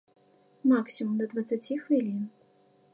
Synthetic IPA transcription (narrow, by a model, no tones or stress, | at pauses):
maksʲimumd̪ɐd̪vɐt̪sat͡sʲixvʲilʲin